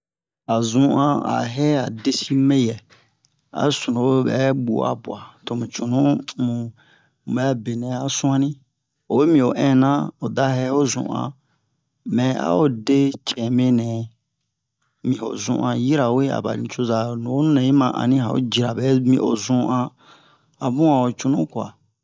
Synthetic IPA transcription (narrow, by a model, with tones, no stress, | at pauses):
a˨zũ˦ã˦a̰˨ɦɛ˦a˨de˦si˦mẽ˦jɛ˨ | a̰˨sũ˨nõ˨˦bɛ̰˨˦ɓṵ˨a̰˨bu˨a˨to˨mũ˨t͡ʃu˨nũ˦mũ˨ | bɛ˦be˨nɛ̃˨a˨sũ˦ã˦nĩ˦ | o˨we˦mĩ˨o˨ʔɛ̃˦˨nã˦o˨da˦hɛ˦ho˦zṵ̃˨ʔã̰˨ | mɛ̃˨a̰˦o˨de˦t͡ʃɛ̃˨me˦nɛ̃˨ | mĩ˨o̰˨zṵ̃˨ʔã˧ji˦ɾa˨we˦a̰˨ba̰˨nĩ˨t͡ʃo˦za˨nũ˨˦nɛ̃˨ji˦mã˨ʔã̰˨nĩ˦a˨o̰˦d͡ʒi˨ɾa˨bɛ˨˦mĩ˨ʔo̰˨zũ˦ʔã˧ | a˨bũ˦a˨o˨t͡ʃu˨nũ˦kwa̰˨